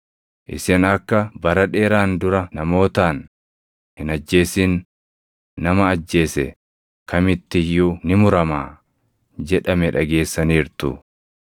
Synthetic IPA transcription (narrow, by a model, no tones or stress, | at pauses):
ʔɪ̰sɪnɐkːɐbɐɾɐᶑe̞ːɾaːnd̪ʊɾɐnɐmo̞ːt̪aːn | hɪnɐd͡ʒːe̞ːsiːnː | ɐmɐːd͡ʒːe̞ːsɛ̰ | kʰɐmɪt̪ːɪjːunɪmʊɾɐmaː | d͡ʒɛᶑɐmɛᶑɐɡe̞ːsːɐniːɾt̪ʊ̰